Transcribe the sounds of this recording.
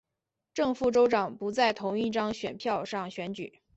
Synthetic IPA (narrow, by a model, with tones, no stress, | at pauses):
ʈ͡ʂɤ˥˧ŋfu˥˩ʈ͡ʂo˥ʊʈ͡ʂɑ˨˩ŋpu˧˥t͡sa˥˩ɪt̪ʰʊ˧˥ŋi˥˩ʈ͡ʂɑ˥ŋɕɥɛ̰˨˩npʰjɑ˥˧ʊʂɑ˥˩ŋɕɥɛ˧˥nt͡ɕy̰˨˩˦